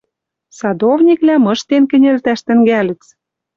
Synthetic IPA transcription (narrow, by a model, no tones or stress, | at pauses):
sɑd̪ovnʲiklæmɤ̆ʃt̪enkɘ̆nʲelt̪æʃt̪ɘ̆ŋɡælɘ̆t͡s